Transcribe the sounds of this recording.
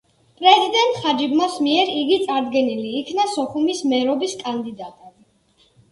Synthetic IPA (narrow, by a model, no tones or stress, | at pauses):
pʼɾɛzid̪ɛnt̪ʼχad͡ʒibmasmiɛɾiɡit̪sʼaɾd̪ɡɛniliːkʰnasɔχumismɛɾɔbiskʼand̪id̪at̪ʼɛbi